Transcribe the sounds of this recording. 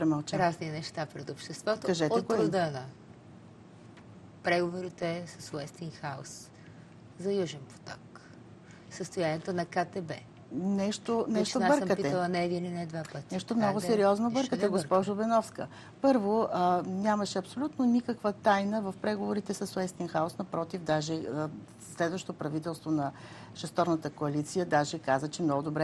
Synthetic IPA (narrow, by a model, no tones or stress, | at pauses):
pɾɛmɐlˠt͡ʃaɾazninɛʃt̪apɾɛt̪opʃt̪ɛst̪vɔt̪oɐʒɛtoɛt̪kod̪ənɐ | pɾɛɡovoɾit̪ɛsɐswɛst̪iŋxao̰s | zɐjuʒɛnpo̥t̪ɔk | səst̪ojanʲiɛt̪onɐkat̪ɛbɛ | nɛʃt̪onɛʃt̪obɤmkətpiɛəlˠɐnɛɛd̪ininɛd̪vapət̪inɛʃt̪omnɔɡʊsɛɾiɔznobɤɾkət̪ɛɡospɔʒobɛnɔfskə | pɤɾvoənʲamɐʃɛɐpsolʲut̪nonikəkvət̪ajnəvɐfpɾɛɡovoɾit̪ɛsɐswɛst̪inxaosnɐpɾɔt̪ivd̪aʒɛə | slɛd̪vəʃt̪ot̪opɾɐvit̪ɛlˠst̪vonɐ | ʃɛst̪ɔɾnət̪əkoɐlit̪sijəd̪aʒɛkazət͡ʃɛmnɔɡʊd̪obɾɛ